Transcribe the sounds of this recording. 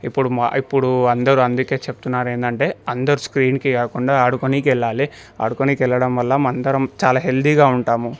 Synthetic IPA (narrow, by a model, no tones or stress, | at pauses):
ipːuɽuipːuɽuɐnd̪ɐɾuɐnd̪uke̞ːt͡ʃeput̪unːaːɾeːnd̪ɐɳʈe̞ːɐnd̪ɐɾuskɾiːnkikaːkuɳɖaːɐɽukonik̬ɛɭːaːli | ɐ̰ɽukonikɛlːɐɽɐmʋɐlːɐmɐnd̪ɐɾɐmt͡ʃaːlaːɦe̞ld̪iɡaːuɳʈaːmu